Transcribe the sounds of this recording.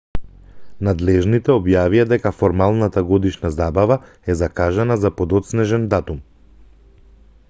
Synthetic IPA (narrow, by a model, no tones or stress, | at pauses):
nad̪lɛʒnit̪ɛɔbjavijad̪ɛkafɔɾmalˠnat̪aɡɔd̪iʃnazabava | ɛzakaʒanazapɔd̪ɔt̪snɛʒɛnd̪at̪um